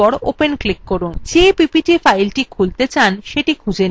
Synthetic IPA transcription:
ɔɾo̰penklikːoɾund͡ʑepipiʈifajlʈikʰult̪et͡ɕanʃeʈikʰud͡ʑen

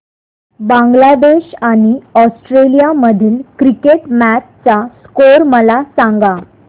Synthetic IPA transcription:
bãŋɡlad̪eɕaɽ̃iɔsʈɾelijaməd̪ʱiːlkɾikeʈmæt͡st͡saskoɾməlasaŋɡa

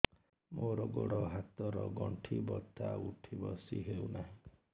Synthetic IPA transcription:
moɾɔɡoɽɔɦat̪ɔɾɔɡɔɳʈʰibɔt̪ʰauʈʰibɔsiɦewnaɦĩ

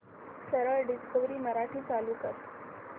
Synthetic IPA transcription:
səɾəɭɖiskəʋɾiːməɾaʈʰiːt͡saluːkəɾ

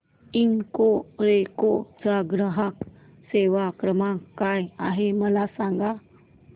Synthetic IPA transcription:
iŋkoɾekot͡saɡɾəɦak | seʋakɾəmãkːajaɦeməlasaŋɡa

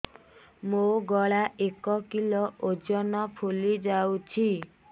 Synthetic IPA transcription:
moɡɔɭaʔekɔkilɔʔod͡ʒɔnɔpʰulid͡ʒawt͡ʃʰi

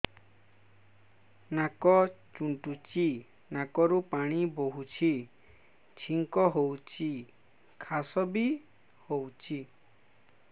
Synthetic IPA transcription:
nakɔt͡ʃuɳʈut͡ʃi | nakɔɾupaɽ̃iboɦut͡ʃʰi | t͡ʃʰiŋkɔɦowt͡ʃʰi | kʰasɔbi | howt͡ʃʰi

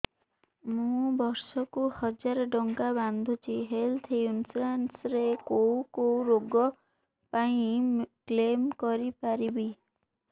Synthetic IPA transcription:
mũbɔɾsɔkuhɔd͡ʒaɾɔɖɔŋkaband̪ʱut͡ʃʰiɦelt̪ʰjunslansɾekowkowɾoɡɔ | paĩklemkɔɾipaɾibi

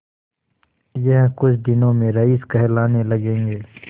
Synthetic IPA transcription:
jɐɦkʊt͡ʃʰd̪ɪnõmẽɾɐiːskɐɦlaːnelɐɡẽːŋɡeː

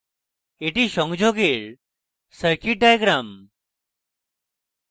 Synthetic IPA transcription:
eʈiʃɔŋd͡ʒʱoɡeɾ | səɾkiʈ̚ɖajɡɾam

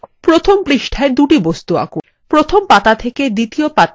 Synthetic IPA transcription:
pɾot̪ʰompɾiʃʈʰaed̪uʈibost̪ua̰ku | pɾot̪ʰompat̪at̪ʰeked̪it̪iopat̪

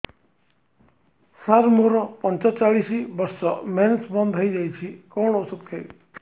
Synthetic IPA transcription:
saɾmoɾɔpɔnt͡ʃɔt͡ʃaɭisibɔɾsɔmensbɔnd̪ʱɦojd͡ʒajt͡ʃʰikɔwɽ̃ɔusut̪̚k̪ʰɔj

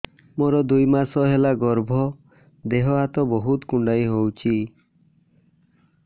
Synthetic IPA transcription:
moɾɔd̪ujmasɔɦelaɡɔɾbʱɔ | d̪eɦɔɦat̪ɔbɔɦut̪kuɳɖajɦowt͡ʃʰi

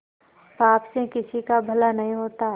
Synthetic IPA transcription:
paːpsekɪsikabʱɐlanɐɦĩɦoːt̪a

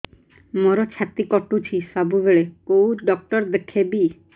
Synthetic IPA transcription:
moɾɔt͡ʃʰat̪ikɔʈut͡ʃʰisabʱubeɭekowɖɔk̚ʈɔɾd̪ekʰebi

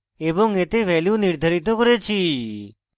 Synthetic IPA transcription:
ebõŋet̪eʋɛljũniɾd̪ʱaɾit̪okəɾet͡ʃʰi

